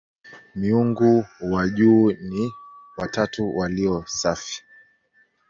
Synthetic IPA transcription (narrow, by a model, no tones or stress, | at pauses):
miuŋɡuwaʄuːniwatatuwaliɔsafi̥